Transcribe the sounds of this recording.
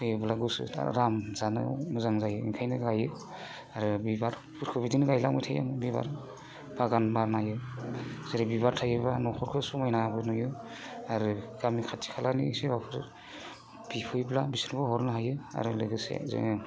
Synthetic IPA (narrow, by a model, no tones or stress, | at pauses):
pʰɯjɯblaɡusɯ̰a̰ɾamzanɯ̰muzaŋzajɯikʰajnɯɡajɯ | aɾɯbibaɾ | pʰuɾkʰɯbidinɯɡajlamɯjtʰaja̰mɯbiba̰ɾ | baɡanbaɾnajɯ | z̥eɾɯbibaɾtʰajɯbanɔkʰɔɾkʰɯsɔmajnabɯnɔjɯ | aɾɯɡ̥amikʰatʰi̥kʰalanḭsebapʰɯɾ | b̥ipʰɯjblabisɯnbɯɦɔɾnɯɦajɯa̰ɾɯlɯɡɯsḛzḛ